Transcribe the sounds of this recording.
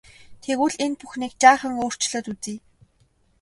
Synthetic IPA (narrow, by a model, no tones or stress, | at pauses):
t̪ʰeɣuɮenpuxniːk̚t͡ɕaːχə̆ŋoːr̥t͡ɕɮə̆t̪ut͡siː